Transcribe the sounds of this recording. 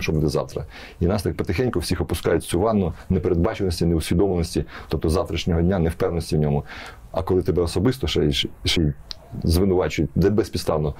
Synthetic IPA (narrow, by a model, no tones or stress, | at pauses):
ʃt͡ʃɔbud̪ɛzɑ̰wt̪ɾɐ̰ | inɑst̪ɑk̚pɔt̪ɪxɛnʲkʊwsʲixɔpʊskɑ̰jʊtʲsʲʊʋɑnːʊnɛpeɾed̪̚bɑt͡ʃɪnɔsʲtʲinɛʊsʲʋʲid̪ɔmnɔsʲtʲit̪ɔp̚t̪ɔzɑwt̪ɾʲɐʃnʲɔɦɔdʲnʲanɛwpɛwnɔsʲtʲiwnʲɔmʊɐ̰kɔlˠɪt̪ɛbɛɔsɔbɪst̪ɔʃɛʃɛj | zʋɪnʊʋɑt͡ʃʊjʊt̚ʲd̪ɛbɛsʲpʲit̪st̪ɑwnɔ